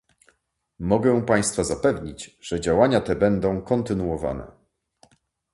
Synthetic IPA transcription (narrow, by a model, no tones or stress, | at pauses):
mɔɡɛw̃paj̃st̪fazapɛvɲit͡ɕʐ̥ɛd͡ʑawaɲat̪ɛbɛnd̪ɔ̃w̃kɔnt̪ɘnuwɔva̰nɛ̰